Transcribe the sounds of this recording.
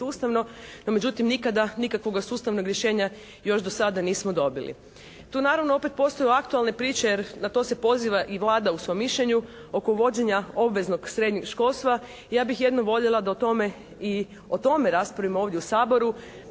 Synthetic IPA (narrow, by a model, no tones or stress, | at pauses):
uːst̪aʋno̞nome̞d͡ʑut̪imnikad̪anikakʋo̞ɡasuːst̪aʋnoɡɾje̞ʃe̞ːɲa | jo̞ʃd̪osad̪aniːsmod̪o̞bḭlḭ | t̪uːnaːɾaʋnoo̞pet̪̚po̞ːst̪o̞juakt̪ualˠne̞pɾiːt͡ʃejeɾnat̪o̞se̞po̞ziːʋaʔiʋlˠaːd̪ausʋo̞jmːiʃʎe̞ɲu | o̞koʋo̞d͡ʑeɲao̞bʋe̞zno̞ɡsɾe̞d̪ɲikʃko̞ːlˠst̪ʋa | ijaːbixje̞d̪noʋo̞ʎelˠad̪aot̪o̞me | i | o̞t̪o̞meɾaːspɾaʋimooːʋd̪jeusaːbo̞ɾu